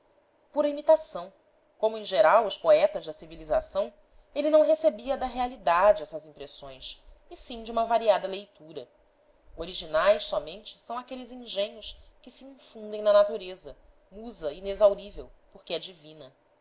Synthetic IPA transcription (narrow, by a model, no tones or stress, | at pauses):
puɾɐimit̪asɐ̃w̃ | kõmʊẽʒeɾawʊspoɛt̪ɐʒd̪ɐsiviliza̰sɐ̃w̃ | elɪnɐ̃w̃ɦesebiɐd̪ɐɦealid̪ad͡ʒɪɛsɐzĩpɾesõj̃sɪsĩd͡ʒiũmɐvaɾiad̪ɐlejt̪uɾɐ | oɾiʒinajssɔmẽnt͡ʃɪ̥sɐ̃w̃akelɪzĩʒẽɲʊskɪsiĩŋfũnd̪ẽj̃nɐnat̪uɾezɐ | muzɐinezawɾivewpoɾkʲɪɛd͡ʒivĩnɐ